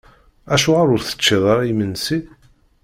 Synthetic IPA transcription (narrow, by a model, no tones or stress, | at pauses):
æʃuʁaɾʊɾθə̥t͡ʃːiðˤɑɾˤimənsi